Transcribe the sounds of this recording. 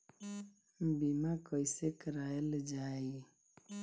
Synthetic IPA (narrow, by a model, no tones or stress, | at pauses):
m̩bimakɔisekəɾaeləd͡ʒaji